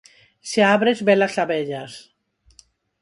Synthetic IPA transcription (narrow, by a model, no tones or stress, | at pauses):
seaβɾezbelasaβeʎas